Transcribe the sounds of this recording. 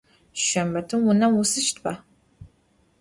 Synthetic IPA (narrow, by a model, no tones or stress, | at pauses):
ʃɐmɐtʰɨmwʊnɐwʊsɨʃtʰpʰa